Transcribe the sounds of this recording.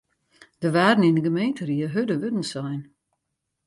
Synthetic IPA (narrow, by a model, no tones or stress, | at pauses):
d̥əʋaːrdn̩indəɡəmejntəɾiəɦødəʋødn̩sɛjn